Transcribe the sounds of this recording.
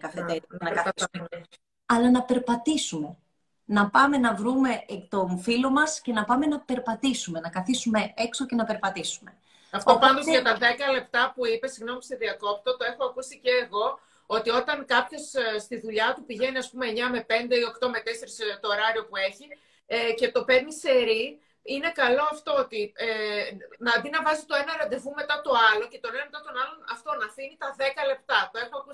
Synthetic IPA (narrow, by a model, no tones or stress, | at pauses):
kɐfeenɐk | ɐlɐnɐpe̞ɾpɐt̪isume̞ | nɐpɐme̞nɐvɾume̞kt̪o̞nfilo̞mɐsce̞nɐpɐme̞nɐpe̞ɾpɐt̪isume̞nɐkɐθisume̞ekso̞ce̞nɐpe̞ɾpɐt̪isume̞ | ɐft̪opɐnd̪osɐt̪ɐðe̞kɐle̞p̚t̪ɐpuipe̞siɣno̞mist̪oðiɐko̞pt̪ot̪oe̞xo̞ɐkusiceːɣo̞ | o̞t̪io̞t̪ɐŋkɐpço̞sst̪iðuʎɐt̪upiʝe̞niɐspume̞ɲɐme̞pe̞nd̪e̞io̞kt̪o̞me̞t̪ese̞ɾist̪oːɾɐɾio̞pue̞çi | ece̞t̪o̞pemise̞ɾi | ine̞kɐlo̞ɐft̪o̞ot̪ienɐd̪inɐvɐzit̪o̞e̞nɐɾɐd̪e̞vume̞t̪ɐt̪o̞ɐlo̞ce̞t̪o̞nenɐme̞t̪ɐt̪o̞nɐlo̞nɐft̪o̞nɐfinit̪ɐðe̞kɐle̞p̚t̪ɐt̪o̞e̞xoɐku